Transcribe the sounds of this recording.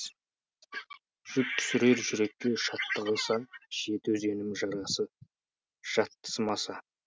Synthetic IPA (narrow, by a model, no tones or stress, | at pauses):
ʒ̥ʏp̚t̪ʰʏ̥sɪɾe̞ɾʒʏɾe̞kʲːe̞ʃɑt̪ːəɑjsɑʃe̞t̪wɵze̞nɪmʒɑɾɑsə | ʒ̥ɑt̪ːə̥smɑsɑ